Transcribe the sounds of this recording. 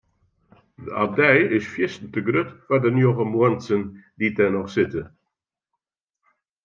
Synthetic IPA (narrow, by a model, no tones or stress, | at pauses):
dəadɛjɪsfjɪstən̩təɡrøtfadənjoɣəmuənsənditɛnɔχsɪtə